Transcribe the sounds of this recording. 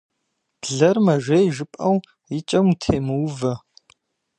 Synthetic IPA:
b̥ɮɐrmɐʒʷejʒɨpʼɐw | ɪt͡ʃʼɐmtʰeːmɨwvɐ

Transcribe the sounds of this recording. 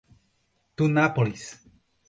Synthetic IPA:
t̪unapolis

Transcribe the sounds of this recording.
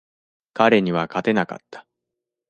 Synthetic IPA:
kaɾe̞ɲ̟iβakat̪e̞naka̰t̪ːḁ

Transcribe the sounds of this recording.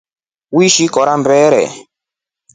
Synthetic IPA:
wiʃikɔɾambɛːɾɛ̰

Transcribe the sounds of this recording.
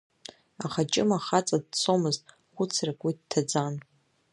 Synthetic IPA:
aχat͡ʃʼɪmaχat͡sʼad̚t͡sʰomɨztʼ | χʷʊt͡sʰrakʼidtʰad͡zan

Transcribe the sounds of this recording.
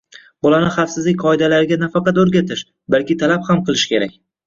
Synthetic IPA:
bɒlanɪχɑfsɪzlɪkʲqʰɒɪd̪alaɾɪɡʲanafɑqɑt̪ɵɾɡʲat̪ʰɪʃ | balkʲɪt̪ʰalaphamqɨlˠɪʃkʲe̞ɾa̰kʲ

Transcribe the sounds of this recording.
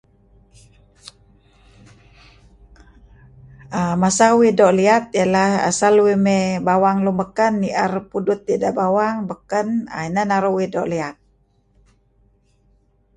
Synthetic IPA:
əmasawidoʔliat̪̚jalaha̰salwimebawaŋluməkənːiʔərpudut̪̚ːidaʔbawaŋbəkəna̰inanaɾuwido̰ʔliat̪̚

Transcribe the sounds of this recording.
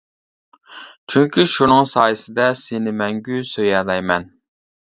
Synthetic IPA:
t͡ʃʰyŋkʲʰiʃunɨŋsɑːjɨsɪd̪ɛsɪnɪmɛŋɡʲysøjɛlɛjmɛn

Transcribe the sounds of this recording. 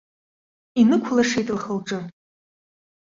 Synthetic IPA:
inɨkʷʰʊlaʂejtʼɨlχəlʈ͡ʂʼɨ

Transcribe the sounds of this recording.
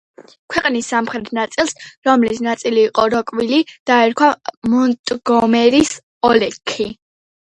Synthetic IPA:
kʰwɛqʼnisːamχɾɛt̪ʰnat̪sʼilˠsɾɔmlisnat̪sʼiliːqʼɔɾɔkʼwilid̪̥aɛɾkʰwamɔnt̪ʼɡɔmɛɾis | ɔlɛkʰːi

